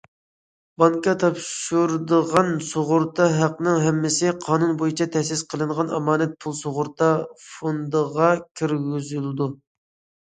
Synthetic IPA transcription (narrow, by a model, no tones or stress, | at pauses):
bɑŋkɑt̪ʰɑpʃuɾd̪əʁɑnsoʁʊɾt̪ʰɑɦæqnɨŋɦɛmːɪsɪqʰɑːnunbojit͡ʃʰɑt̪ʰɛhsɪsqʰəlˠɨɴʁɑnɑmɑːnɛt̪̚pʰulˠsoʁʊɾt̪ɑfond̪əʁɑkʲʰiɾɡʲyzyld̪u